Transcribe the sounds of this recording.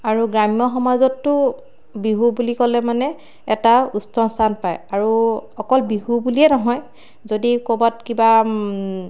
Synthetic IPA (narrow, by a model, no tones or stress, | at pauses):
aɹuɡɹamijɔxɔmazɔtːʊ | biɦubulikɔlɛmanɛ | ɛtaustɔnstʰanpajaɹuɔkɔlbiɦubuliɛnɔɦɔj | zodikobatkiba